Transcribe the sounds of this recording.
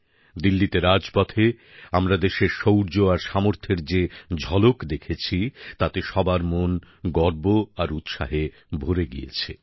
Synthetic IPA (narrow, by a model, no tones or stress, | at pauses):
d̪ilːit̪eɾad͡ʑpɔt̪ʰe | amɾad̪eʃeɾʃowɾd͡ʑoaɾʃamoɾt̪ʰeɾd͡ʑed͡ʑʱɔlokd̪ekʰet͡ɕʰit̪at̪eʃɔbaɾmon | ɡɔɾboaɾut̪ʃaɦe | bʱoɾeɡḭjḛt͡ɕʰe